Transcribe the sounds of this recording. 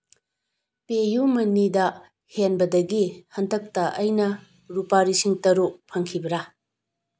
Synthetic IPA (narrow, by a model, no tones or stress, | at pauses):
pejumɐnidɐ | henbɐdɐɡihɐntɐk̚tɐʔɐjnɐ | ɾupaɾisiŋtɐɾok̚pʰɐŋkʰibɐɾa